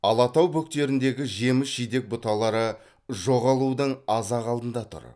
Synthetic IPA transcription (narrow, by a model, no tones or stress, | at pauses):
ɑlˠɑt̪ɑwbɵk̚t̪e̞ɾɪnd̪e̞ɡʲɪʒe̞mɪsʒijd̪e̞k̚bʊt̪ɑlˠɑɾə | ʒo̞ʁɑlˠud̪əɴɑzɑʁɑlˠd̪ənd̪ɑt̪ʰʊ̰ɾ